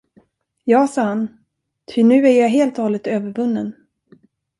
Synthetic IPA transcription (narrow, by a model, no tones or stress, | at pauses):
jɑːsɑːhan | t̪ʰʏnʉ̟ːæɾjaɦeːlt̪hɔːlɪt̪øːvəɾvɵnːən